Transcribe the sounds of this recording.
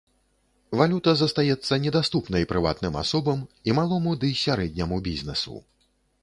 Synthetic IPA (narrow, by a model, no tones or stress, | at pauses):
valʲut̪ɐzɐst̪ajɛt̪sːɐnʲɛd̪ast̪upnɐjpɾɨva̰t̪nɨma̰sɔbɐmimalˠɔmud̪ɨsʲaɾɛd̪ʲnʲɐmubʲizʲnɛsṵ